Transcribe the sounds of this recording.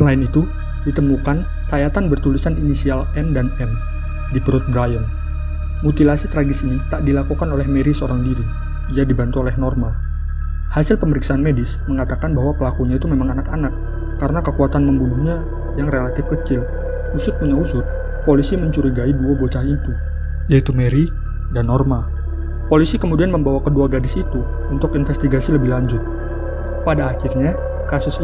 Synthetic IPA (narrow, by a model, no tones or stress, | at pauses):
səlaɪnit̪u | dit̪əmukan | sajat̪anbərt̪ulisaninisialɛmdanɛm | dibəɾʊt̪̚bɾajən | mut̪ilasit̪ɾaɡɪsinit̪aʔdilakukanolɛhmeɾisəoɾaŋdiɾi | iadibant̪uolɛhnɔrmal | hasɪlpəməɾiksaʔanmedɪsməŋat̪akanbahwapəlakuɲait̪umemaŋanakanakː | aɾənakəkuat̪anməmbunuhɲa | jaŋrelat̪ɪfkət͡ʃɪl | usʊt̪̚puɲausʊt̪̚ | polisiməɲt͡ʃuɾiɡaiduabot͡ʃaɦit̪u | jait̪umeɾi | danːɔrma | polisikəmudianməmbawakəduaɡadɪsit̪u | unt̪ʊkinfɛst̪iɡasiləbɪhlaɲd͡ʒʊt̪̚ | padaːkɪrɲa | kasʊs